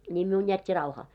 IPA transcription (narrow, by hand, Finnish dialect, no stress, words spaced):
nʲiːm miun jætʲːi rɑuhɑː